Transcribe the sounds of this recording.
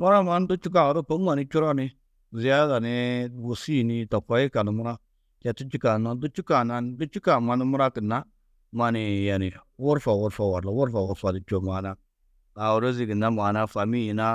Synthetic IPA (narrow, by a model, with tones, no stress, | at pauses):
mu˦ɾa˦ma˦n˦du˦t͡ʃu˦k̬a˦˨do˦po˦ŋ˦ma˨ni˦t͡ʃu˦ɾa˦ni˦ | zi˨ja˦za˨ni˦wu˨si˦˨ni˦to˨kːa˦ji˦ka˨nu˨mu˦ɾa˦ | t͡ʃe˨tu˦t͡ʃi˦ka˨na˦n˦du˦t͡ʃu˦ka˨na˦ndu˦t͡ʃu˦ka˨ma˨ni˦mu˦ɾa˦ki˨nːa˦ | ma˨ni˨ja˨ni˨˦wu˦ɾfa˨wu˦ɾfa˨wa˨ɾla˨˦wu˦ɾfa˨wu˨ɾfa˨di˨t͡ʃo˨ma˨na˦ | a˨wu˨ɾo˦zi˨ki˨nːa˦ma˨na˦fa˨mi˦ji˨na˦